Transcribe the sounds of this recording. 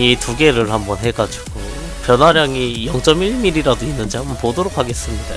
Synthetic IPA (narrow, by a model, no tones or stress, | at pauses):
ituɡe̞ɾɯɭhambʌnɦe̞ɡad͡ʑiɡo | pjʌnwaɾjaŋijʌŋt͡ɕ͈ʌmiɭmiɾiɾadoinːɯnd͡ʑihambʌnpodoɾok̚ʰaɡe̞s͈ɯmɲida̰